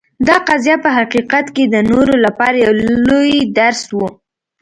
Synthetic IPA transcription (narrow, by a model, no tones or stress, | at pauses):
d̪ɑqazjapəɦaqiqat̪ked̪ənoɾolapɑɾajawlojd̪aɾswu